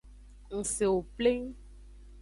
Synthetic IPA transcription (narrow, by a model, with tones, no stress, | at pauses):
ŋ̩̃˨se˨wo˨ple˦ŋ